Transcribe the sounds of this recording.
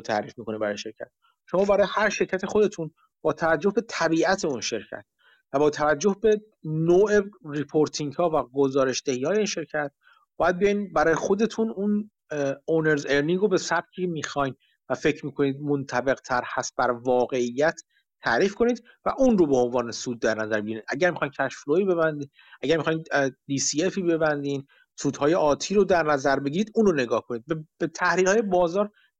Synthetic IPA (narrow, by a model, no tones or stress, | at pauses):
ot̪ʰæ̰ɾiːfmiːkʰoniːbæɾɒːjʃeɾcʲʰæ̰t̪̚ | ʃo̞mɒːbæɾɒːjehæɾʃe̞ɾcʰæt̪ʰexo̞d̪e̞t̪ʰun | b̥ɒːt̪ʰævæd͡ʒːohbe̞t̪ʰæbiːæt̪ʰe̞unʃe̞ɾcʰæ̰t̪̚ʰ | væbɒːt̪ʰævæd͡ʒːohbe̞ | noːʔeripʰoɾt̪ʰiŋɡhɒːvæɡozɒːɾe̞ʃd̪ehiːhɒːje̞iːnʃe̞ɾcʰæt̪̚ | b̥ɒːjæd̪̚bejɒjnbæɾɒːjexo̞d̪e̞t̪ʰunun | oneɾzeɾniŋɡɾobesæb̚cʰiemiːxɒjn | væfe̞cʰɾmiːkʰo̞niːd̪̚mont̪ʰæbe̞ɣt̪ʰæɾhæst̪̚bæɾvɒːɣe̞ijːæt̪ʰː | æːɾiːfkʰo̞niːd̪ | væʔunrobeonvɒːnesuːd̪̚ːæɾnæzæɾbeɟiɾiːd̪ʔæɟæɾmixɒjncʰæʃfloibe̞βænd̪iːn | ʔæɟæɾmixɒjind̪isiefibe̞bænd̪iːn | suːd̪hɒːje̞ʔɒːt̪ʰiːɾod̪æɾnæzæɾbe̞ɟiːɾiːd̪uːnɾone̞ɡɒːhkʰo̞niːd̪̚bb̥et̪ʰæhɾiːlhɒːjebɒːzɒːɾ